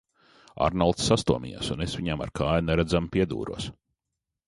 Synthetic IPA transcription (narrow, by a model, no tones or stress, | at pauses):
a̰ɾnalˠt̪sːast̪uɔmʲḭja̰sunesʋʲiɲama̰ɾkʰaːjnɛɾæd̪zampʲiɛd̪ṵːɾṵɔs